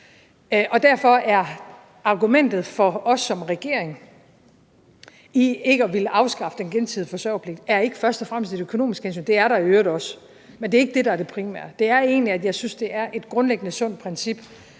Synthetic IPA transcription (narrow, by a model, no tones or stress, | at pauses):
ʔɒ̽d̥æɐ̰fɒ̽æɐ | ɑ̈ɡ̥umen̰d̥ð̞̩ˠfɒ̽ɒ̽sːɒ̽mʁɛɡ̥e̝ɐ̰eŋ | ieɡ̥əɒʋiləʔɑ̈ʊsɡ̥ɑ̈fə̥d̥enɡ̥ent͡sʰiðˠfɒ̽sʋɛ̰ʊpʰleɡ̥̚d̥æɐe̝ɡ̥əfɶɐsd̥ɒ̽fʁam̰sd̥e̝ɾøkʰo̝no̝̰ːmisɡ̥ens̬y̰ːnd̥e̝æɐɾɑ̈iøːɐd̥ˠɒ̽s | mende̝ɐe̝ɡ̥əd̥e̝ɾɑ̈æɐɾ̥e̝pʰʁimæ̰ɐ̰d̥d̥e̝æɐe̝̰ːnliæd̥jɑ̈ɪsynsd̥e̝æɐʔe̝d̥ɡ̥ʁɔ̽nleɡ̥ənəsɔ̽n̰d̥̚pʰʁɛnsib̥